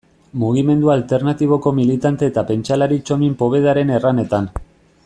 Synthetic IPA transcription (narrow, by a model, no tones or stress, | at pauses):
muɣ̞ime̞nd̪ualt̪e̞rnat̪iβ̞o̞ko̞milit̪ant̪e̞ːt̪ape̞nt͡ʃalaɾit͡ʃo̞mimpo̞βe̞ðaɾe̞ne̞rane̞t̪an